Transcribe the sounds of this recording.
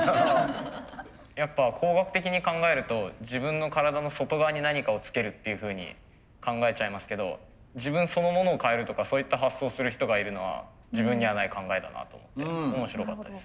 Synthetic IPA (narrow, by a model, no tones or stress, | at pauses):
oo | japːakʰoːɡakɯ̟̥t̪e̞kʲiɲ̟ikãŋɡae̞ɾɯ̟t̪o̞d͡ʑibɯ̟̃nːo̞kaɾad̪ano̞so̞t̪o̞ɡaβːɲ̟inaɲ̟ikao̞t͡sɨ̥ke̞ɾɯ̟t̪ːe̞jɯ̟ɸɯ̟ːɲ̟ḭ | kãŋɡae̞t͡ɕaimasɨ̥ke̞d̪o̞̰ | d͡ʑibɯ̟̃ɰ̃so̞no̞mo̞no̞ːkae̞ɾɯ̟t̪o̞kasoːit̪ːaɦasːo̞ːsɨɾɯ̟çi̥t̪o̞ɡaiɾɯ̟no̞βa̰ | ʑibɯ̟̃ɲ̟ɲːiβanaikãŋɡaet̪a̰na̰t̪oːmo̞̰t̪ːe̞omo̞ɕiɾo̞ka̰t̪ːad̪esɨ̥